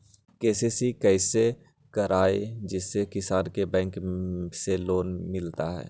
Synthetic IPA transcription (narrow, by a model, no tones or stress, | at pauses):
keːsesikɛːse | kəɾaːed͡ʒɪsːekɪsaːɾkebɛ̃ːŋkseloːnmɪlt̪aɦɛ̰ː